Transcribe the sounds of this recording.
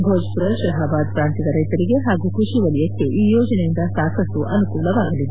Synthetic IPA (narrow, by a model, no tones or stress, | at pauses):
bʱoːd͡ʒpuɾɐʃɐɦaːbaːd̪pɾaːnt̪id̪ɐɾɐjt̪ɐɾiɡe̞ɦaːɡuːkɾuʂiʋɐlijɐkːe̞ʔiːjoːd͡ʒɐnejind̪ɐsaːkʰɐst̪uʔɐnukuːlɐʋaːɡɐlid̪